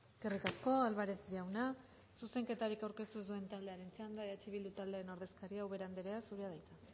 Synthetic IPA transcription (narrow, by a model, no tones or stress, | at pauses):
ɡerikasko̞alβaɾesʝawna | suse̞ŋke̞t̪aɾikawɾke̞st̪uezd̪ue̞nt̪ald̪e̞aɾent͡seand̪aeat͡ʃiβild̪ut̪ald̪eaɾenoɾðe̞skaɾiawβe̞ɾand̪eɾeasuɾeað̞ajt͡s̪a